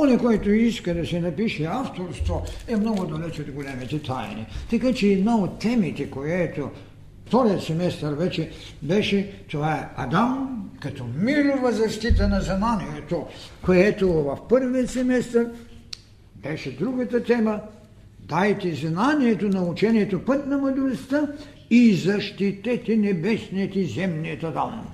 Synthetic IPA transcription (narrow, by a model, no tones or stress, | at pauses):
onakojɛt̪oiskad̪asɛnapiʃɛaft̪oɾst̪oɛmnoɡod̪alɛt͡ʃɛod̪ɡolʲɛmit̪ɛt̪ʰajnḭt̪ɛkat͡ʃid̪naot̪ːɛmit̪ɛkojɛt̪o | ft̪oɾit̪sɛmɛst̪aɾvɛt͡ʃɛ | bɛʃɛt̪oaɛa̰d̪amkat̪omiɾuvazaʃt̪it̪anaznanijɛt̪okojɛt̪ovɐfpəɾviot̪sɛmɛst̪aɾ | bɛʃɛd̪ɾuɡɐt̪ɐt̪ɛmɐ | d̪ajt̪iznanijɛt̪onɐut͡ʃɛniɛt̪opət̪nɐmɐd̪uɾst̪a | izaʃt̪it̪ɛt̪inɛbɛsnɛt̪izɛmnijot̪ad̪am